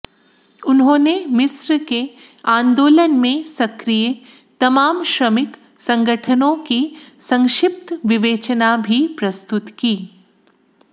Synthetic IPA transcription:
ʊnɦõːnemɪsɾke | ãːnd̪oːlənmẽsɐkɾijə | t̪ɐmaːmʃɾəmɪk | sɐ̃ŋɡəʈʰənõkisɐ̃ŋʃɪp̚t̪ʋɪʋeːt͡ʃnabʱipɾɐst̪ʊt̪kiː

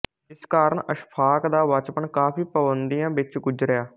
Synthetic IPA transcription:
ɪskaːɾəɳəʃpʰaːkd̪aːʋət͡ʃpəɳkaːpʰiːpəbənd̪ijãːʋɪt͡ʃɡʊd͡ʒɾəjaː

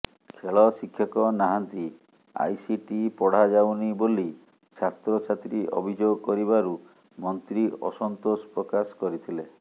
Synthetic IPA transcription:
kʰeɭɔsikʰjɔkɔnaɦant̪i | a̰jsiʈipɔɽ̤ad͡ʒawniboli | t͡ʃʰat̪ɾɔt͡ʃʰat̪ɾiʔɔ̰bʱid͡ʒoɡɔkɔɾiβaɾu | mɔnt̪ɾiɔ̰sɔnt̪ospɾɔkaskɔɾit̪ʰile

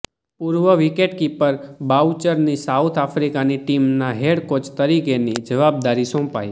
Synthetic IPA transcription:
puɾʋəʋikeʈkipəɾbawt͡ʃəɾnisaut̪ʰafɾikaniʈimnaɦeɽkot͡ʃt̪əɾikenid͡ʒəʋab̚d̪aɾisɔ̃pa̰j

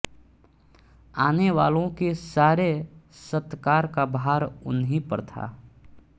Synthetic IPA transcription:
aːneʋaːlõkesaːɾesət̪kaːɾkabɦaːɾʊnɦipə̰ɾt̪ʰa̰ː

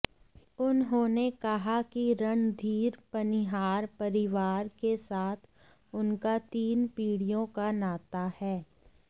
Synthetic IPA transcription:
ʊnɦõːnekɐɦakiɾɐɳ̃d̪ʱiːɾpɐnɪɦaːɾpɐɾɪʋaːɾkesaːt̪ʰ | ʊnkat̪iːnpiːɽijõkanaːt̪ahɛː

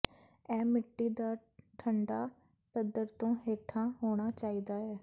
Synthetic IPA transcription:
ɛːmɪʈːiːd̪aː | ʈʰəɳɖaː | pəd̪əɾt̪õːɦeːʈʰãːɦoːɽ̃aːt͡ʃaːiːd̪aːɦɛː

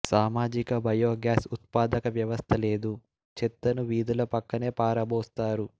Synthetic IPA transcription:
saːmaːd͡ʒikɐbʱɐjoːɡjaːsut̪̚paːd̪ɐkɐʋjɐʋɐst̪ʰɐle̞ːd̪u | t͡ʃet̪ːɐnuʋiːd̪ulɐpɐkːɐne̞ːpaːɾɐbɔːst̪aːɾu

